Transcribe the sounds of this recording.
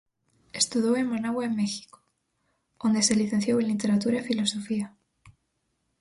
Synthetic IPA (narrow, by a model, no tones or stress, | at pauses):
est̪uðowemmanaɣwaemːexi̥ko̥ | ond̪eseliθen̟θjowenlit̪e̞ɾat̪uɾaefilo̞so̞fia